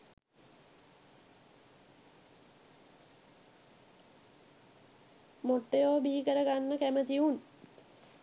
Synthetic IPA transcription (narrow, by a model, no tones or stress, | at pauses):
moʈːejoːbiikəɾəɡanːəkæmət̪iun